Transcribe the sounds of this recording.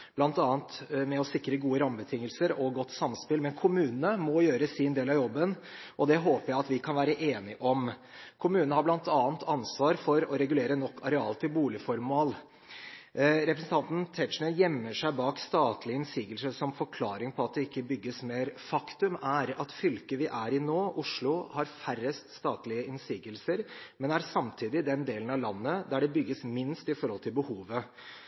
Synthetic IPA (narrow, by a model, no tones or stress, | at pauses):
b̥lɑnt̪ɑːnt̪mɛɔsɪkːɾəɡuːəɾɑmbət̪ʰɪŋːəlsəɾɔɡɔt̪ːsɑmspɪlmɛnkʰʊmʉːnnəmɔjøːɾəsɪnd̪eːlɑʋjɔbːən | ʔɔd̪ɛɦoːpəɾjæɪɑt̪ʋɪkʰɑnʋæːɾəʔeːnɪʔɔm | kʰʊmʉːnnəhɑɾblɑnt̪ɑːnt̪ʰɑnsʋɑːɾfɔɾɔɾɛɡʉleːɾənɔkːɑɾɛɑ̰ːlt̪ʰɪlbuːlɪfɔɾmɑːl | ɾɛpɾəsn̩t̪ʰɑnt̪n̩t̪ʰɛʂnəjɛmːəʂæɪbɑːkst̪ɑːt̪lɪəɪnsiːɡəlsəʂɔmfɔɾkʰlɑːɾɪŋpʰɔɑt̪̚d̪ɛɪkːəbʏɡːəsmeːɾfɑkt̪ʉmæɾɑt̪fʏlkəʋɪʔæɾɪnoːʔʊʂɭʊhɑɾfærəst̪st̪ɑːt̪lɪəɪnsiːɡəlsəɾmɛnæɾsɑmt̪ʰiːd̪ɪd̪ɛnd̪eːlən̩ɑʋlɑnːəd̪æɖɛbʏɡːəsmɪnst̪ɪfɔɾhɔlt̪ʰɪlbəhuːʋə